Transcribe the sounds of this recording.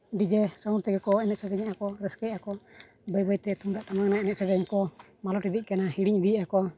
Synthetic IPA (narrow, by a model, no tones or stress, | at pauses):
ɖid͡ʒɛsauɾt̪ɛɡɛkɔɛnɛt̪ʔ̪sɛdɛɲaʔakɔɾəskɛjakɔ | bəjbəjt̪ɛt̪umd̪aʔt̪amaŋnaɛnɛt̪ʔ̪sɛɾɛɲakɔ | malɔʈid̪iʔ̚kanahiɽiɲd̪iakɔ